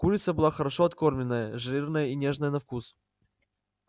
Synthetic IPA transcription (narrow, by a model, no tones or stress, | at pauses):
kulʲɪt̪səbɨlˠaxəɾɐʂoɐt̪ko̞rmʲlʲɪnːəjəʐɨlʲirnəjəinʲe̞ʐnəjənɐfkus